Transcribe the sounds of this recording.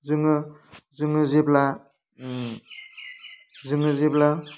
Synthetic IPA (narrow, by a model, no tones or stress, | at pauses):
zɯŋɯzɯŋɯzibla | zɯŋɯzibla